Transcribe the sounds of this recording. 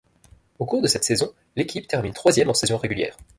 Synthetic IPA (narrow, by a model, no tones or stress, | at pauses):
okuʁd̪əsɛt̪sezɔ̃ | lekʲipt̪ɛʁmint̪χwazjɛmɑ̃sezjɔ̃ʁeɡʲyljɛ̰ːʁ